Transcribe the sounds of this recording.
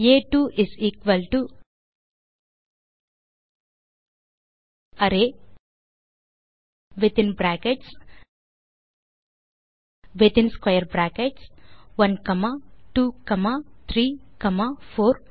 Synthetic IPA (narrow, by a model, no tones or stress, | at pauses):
eːʈuːʔiziːkʋɐlʈu | ɐɾe | ʋɪt̪ɪ̃nbɾaːkeʈs | ʋɪt̪ɪnskwajəɾbɾaːkeʈsʋɐnkɐmaʈuːkɐmat̪ʰɾiːkɐmafʰoːɾ